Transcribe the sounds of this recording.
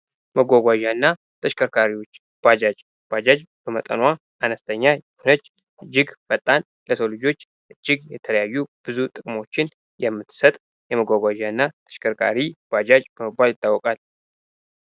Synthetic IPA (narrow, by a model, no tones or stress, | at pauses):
məɡʷaɡʷaʒanːa | t̪ʰəʃkʰʼəɾkʰaɾiwo̞t͡ʃː | b̥ʷad͡ʒad͡ʒ | b̥ad͡ʒad͡ʒb̥əmət̪ʼə̰nwa | ʔanəst̪ʰəɲːajɛhonət͡ʃː | ʔɨd͡ʒːɪɡfət̪ʼːan | ləsəwlɨd͡ʒo̞t͡ʃː | ʔɨd͡ʒːɪɡjɛt̪ʰələjajːub̥ɨzut̪ʼɨkʼmo̞t͡ʃːɪn | jɛmːɨt̪ʰːsət̪ʼ | jɛməɡʷaɡʷaʒaɨnːat̪ʰə̥ʃkʰəɾkʰa̰ɾib̥ʷad͡ʒad͡ʒbəməbːaljɪt̪ʼːawːɔkʼal